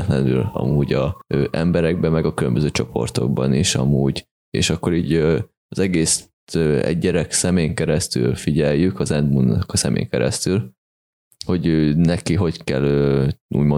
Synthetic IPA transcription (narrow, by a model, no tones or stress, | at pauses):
t̪lɛnylɒ̰muːɟɒøːʔɛmbɛɾɛɡ̚bɛmɛɡɒkylømbøzøːt͡ʃo̞pʰo̞̰rt̪o̞̰ɡ̚bɒniʃɒ̰muːɟ | ḛːʃɒkːo̞ɾiːɟø | ɒzɛɡeːst̪øɛ̰ɟːɛɾɛksɛmeːŋkɛɾɛst̪y̰lfiɟɛjykɒzɛnd̪munːɒkɒsɛmʔḛːŋkɛɾɛ̰st̪yl | ho̞ɟøːnɛkiɦo̞ckɛløːṵːɟmo